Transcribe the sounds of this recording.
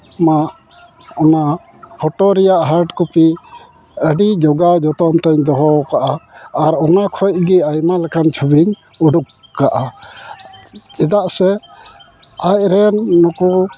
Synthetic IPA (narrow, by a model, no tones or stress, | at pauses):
maʔ | ɔna | pʰɔʈɔɾɛjaʔɦaɾɖkupi | əɖid͡ʒɔɡad͡ʒɔt̪ɔmt̪ɛɲd̪ɔɦɔkaʔaːɾɔnakʰɔjc̚ɡiajmalɛkʰant͡ʃʰubiɲ | uɖukːaʔa | t͡ʃɛd̪aʔsɛ | aj̚ɾɛnːɔku